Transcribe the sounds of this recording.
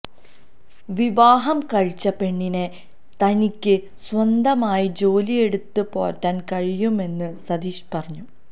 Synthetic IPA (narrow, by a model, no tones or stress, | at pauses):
ʋiʋaːɦɐmkɐɻt͡ɕːɐpe̞ɳːine | t̪ɐnikʲːɨ | swɐnd̪ɐmaːjid͡ʑo̞ːlie̞ɽut̪ːɨpo̞ːtːaːnkɐɻijume̞nːɨsɐd̪iːɕpɐrɐɲːu